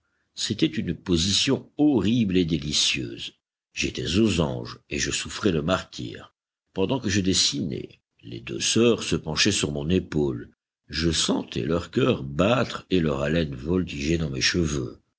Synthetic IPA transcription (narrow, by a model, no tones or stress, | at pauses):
set̪ɛt̪ynpozisjɔ̃ɔʁibled̪elisjø̰ːz | ʒet̪ɛzozɑ̰̃ʒeʒəsufχɛləmaʁt̪ḭːʁ | pɑ̃d̪ɑ̃kəʒəd̪esinɛ̰ | lḛd̪ø̰sœʁsəpɑ̃ʃɛsyʁmɔ̃nepol | ʒəsɑ̰̃t̪ʰɛ̰lœʁkʲœʁbat̪χelœʁalɛnvɔlt̪iʒed̪ɑ̃meʃəvø̰